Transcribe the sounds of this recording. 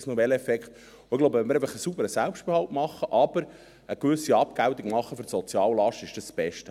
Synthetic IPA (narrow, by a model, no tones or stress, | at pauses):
snɔvɛlɛfɛkχt̪ | oɪɡ̥loʊbəʋɛnməɾɛɪfəχəsubəɾəsælpʃtb̥ehɑltmɑχːəʔɑb̥əɾ | əkʋʏsiɑp̚kæwt̪ikmɑχːəføɾsɔt͡sjɑːllɑʃtɪʃd̥əsːb̥ɛʃtə